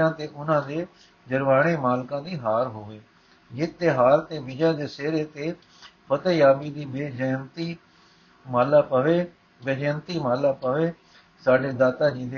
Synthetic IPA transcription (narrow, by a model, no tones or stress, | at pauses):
ãːt̪eːʔʊnãːd̪eː | d͡ʒəɾʋaːɽ̃eːmaːlkãːd̪iːɦaːɾɦoːʋeː | d͡ʒɪːt̪ːeːɦaːɾt̪eːbɪd͡ʒãːd̪eːseːɾeːt̪eː | pʰət̪əjaːbiːd̪iːbeːd͡ʒəːnt̪iː | maːlaːpəʋeː | beːd͡ʒəːnt̪iːmaːlaːpəʋeː | saːɖeːd̪aːt̪aːd͡ʒĩːd̪e